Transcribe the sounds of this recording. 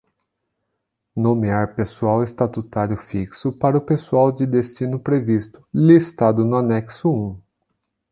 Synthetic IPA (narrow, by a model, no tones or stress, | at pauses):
nõmeaɾpesuawest̪at̪ut̪aɾjʊfiksʊpaɾɐʊpesuawd͡ʒɪd̪est͡ʃinʊpɾevist̪ʊ̥list̪ad̪ʊnʊanɛksʊũ